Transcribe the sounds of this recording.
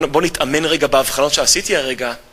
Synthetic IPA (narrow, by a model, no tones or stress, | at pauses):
bo̞nitʰame̞nʁeɡabeavχano̞tʃeasitiaʁeɡa